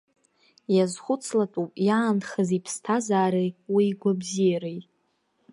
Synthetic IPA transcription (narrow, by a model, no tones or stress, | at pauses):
jazχʷʊt͡sʰlatʼupʼjaːnχəzipʰstʰazaːɾawiːɡʷabzijaɾejʼ